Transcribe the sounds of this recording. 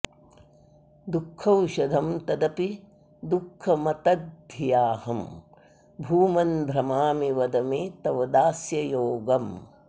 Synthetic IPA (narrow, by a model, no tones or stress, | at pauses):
d̪ukʰːɐwʃɐd̪ʱɐmt̪ɐd̪ɐpi | d̪ukʰːɐmɐt̪ɐd̪̚d̪ʱijaːhɐm | bʱuːmɐnb̪ʱɾɐmaːmiʋɐd̪ɐmeːt̪ɐʋɐd̪aːsjɐjoːɡɐm